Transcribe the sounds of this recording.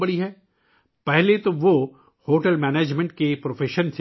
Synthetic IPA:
bɐɽiɦɛː | pɛɦlet̪oʋo | hoːʈəlmɛːneːd͡ʒmɛ̃ɳʈ̚kepɾoːfʰeːʃəns

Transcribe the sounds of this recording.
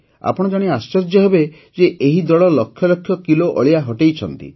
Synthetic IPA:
a̰pɔɽ̃ɔd͡ʒaɽ̃iast͡ʃɔɾd͡ʒɔɦebe | d͡ʒeʔeɦid̪ɔɭɔlɔkʰːjɔlɔkʰjɔkiloʔɔ̰ɭiaɦɔʈejt͡ʃʰɔnt̪ḭ

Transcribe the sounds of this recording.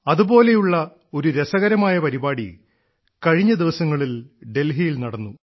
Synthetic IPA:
ɐðubo̞ːle̞juɭːɐ | o̞ɾuɾesɐɣɐɾɐmaːjɐpɐɾibaːɽḭ | kɐɻiɲːɐd̪iʋɐsɐŋːɐɭilɖe̞lɦijilnɐɽɐnːu

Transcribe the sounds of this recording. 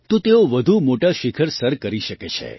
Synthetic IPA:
t̪ũt̪eoʋəd̪ʱumoʈaʃikʰəɾsəɾkəɾiʃəket͡ʃʰḛ

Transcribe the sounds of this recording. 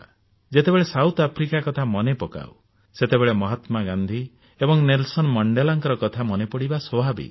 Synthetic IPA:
d͡ʒet̪ebeɭesawt̪apʰɾikakɔt̪ʰamɔnepɔka̰w | set̪ebeɭemɔɦɔt̪maɡãnd̪ʱi | ebɔŋnelsɔnmɔɳɖelaŋkɔɾɔkɔt̪ʰamɔnepɔɽibasɔbʱabḭ

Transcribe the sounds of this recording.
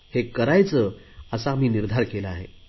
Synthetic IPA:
hekəɾajt͡səəsaːm̤iːniɾd̪ʱaɾkelaaɦḛ

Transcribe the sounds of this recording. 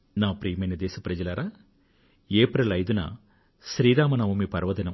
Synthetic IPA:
naːpɾijɐmɐjnɐd̪eːsɐpɾɐd͡ʒɐlɐɾaː | eːpɾɐlɐjd̪unɐ̰ | ʃɾiːɾaːmɐnɐʋumiːpɐɾʋɐd̪ɐnɐm

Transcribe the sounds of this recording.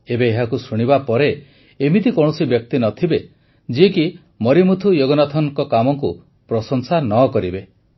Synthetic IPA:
ebeːɦakusuɽ̃ibapɔɾe | emit̪ikɔ̃ɔsibjɔk̚t̪inɔt̪ʰibe | d͡ʒieki | mɔɾimut̪ʰujoɡɔnat̪ʰɔŋkɔkamɔŋku | pɾɔsɔŋsanɔkɔɾibe

